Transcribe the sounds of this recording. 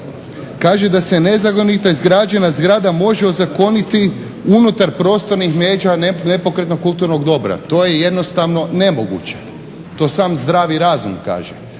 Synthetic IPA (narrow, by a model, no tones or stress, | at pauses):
kaːʒed̪ase̞ne̞zako̞nit̪oizɡɾaːd͡ʒenazɡɾaːd̪amo̞ʒeo̞zako̞nit̪i | unut̪aɾpɾo̞ːst̪o̞ɾnixmeːd͡ʑanne̞po̞kɾe̞t̪nokːulˠt̪uɾno̞ɡd̪o̞bɾa̰t̪o̞ːjeje̞d̪no̞st̪aʋno̞ne̞moɡṵt͡ɕe̥ | t̪o̞ːsaːmzd̪ɾaːʋiɾaːzumka̰ːʒḛ